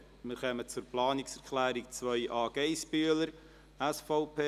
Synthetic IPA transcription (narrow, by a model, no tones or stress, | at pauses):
mɪɾχœmət͡sʊrplɑːnɪksɛɾkʰlæːɾik̚t͡svœʏʔɑːɡ̥eɪʃpyələɾ | ɛsfɔʊpʰeː